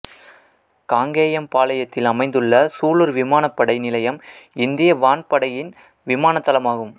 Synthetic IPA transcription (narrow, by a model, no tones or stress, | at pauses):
kaːŋɡeːjɐmpaːlɐjɐt̪ːɪlɐmɐɪnd̪ɯɭːɐsuːɭɯɾʋɪmaːnɐpːɐɽɐɪnɪlɐjɐmɪnd̪ɪjɐʋaːnpɐɽɐjɪn | ʋɪmaːnɐt̪ːɐlɐmaːɣɯm